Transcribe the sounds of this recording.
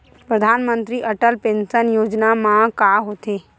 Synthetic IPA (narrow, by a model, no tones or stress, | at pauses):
pɾəd̪ʱaːnmə̃nt̪ɾiʔəʈəlpẽːnsənjoːd͡ʒnamãkaːɦoːt̪eː